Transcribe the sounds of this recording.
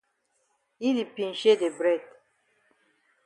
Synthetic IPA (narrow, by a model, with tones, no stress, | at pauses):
i˦li˨pĩ˨n˨ʃe˦de˨bɾɛ˦˨d